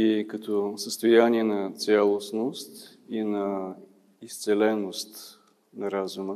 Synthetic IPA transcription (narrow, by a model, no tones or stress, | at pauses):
ikət̪ɔsəst̪ojaniɛnɐt̪sʲalˠosnost̪ | inɐ | ist̪sɛlɛnost̪ | nɐɾazumə